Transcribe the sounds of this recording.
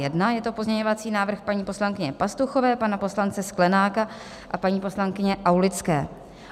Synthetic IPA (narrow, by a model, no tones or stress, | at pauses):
jɛdnajɛt̪o̞po̞zɲɛɲo̞vat͡siːnaːvr̩xpaɲiːpo̞slaŋkɪɲɛpast̪uxo̞vɛːpanapo̞slant͡sɛsklɛnaːka | ʔapaɲiːpo̞slaŋkɪɲɛʔawlɪt͡skɛ̰ː